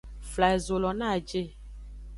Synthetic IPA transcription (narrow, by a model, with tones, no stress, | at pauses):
fla˨e˨zo˨lɔ˨nã˦˨d͡ʒe˦˨